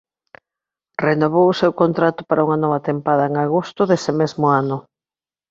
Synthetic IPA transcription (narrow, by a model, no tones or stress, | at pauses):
renoβ̞owʊsewkont̪ɾat̪ʊ̥paɾauŋanɔβ̞at̪empað̞aeŋaɣ̞ost̪ʊðesɪmezmʊanʊ